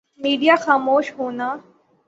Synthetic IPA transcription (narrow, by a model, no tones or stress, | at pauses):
miːɖijaːxaːmoːʃɦoːnaː